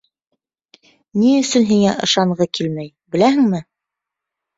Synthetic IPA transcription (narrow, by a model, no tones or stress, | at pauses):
niɵ̆sɵnɦiŋæʔɤ̆ʃɑɴɢɤkilmæj | bɘ̆læɦɘ̆ŋmɘ